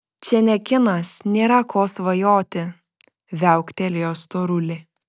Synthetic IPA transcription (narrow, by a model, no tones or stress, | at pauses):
t͡ʃʲɛnʲɛkʲɪnɐsnʲeːɾɐkoːsʋɐjoːt̪ʲɪ | ʋʲæˑʊkt̪ʲɛlʲɪjoːst̪oːɾʊlʲɪ